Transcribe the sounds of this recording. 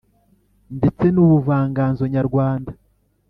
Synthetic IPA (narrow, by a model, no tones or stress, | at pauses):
ndet͡se̞nuβuvaːŋɡaːnzo̞ɲaɾɡwaːnda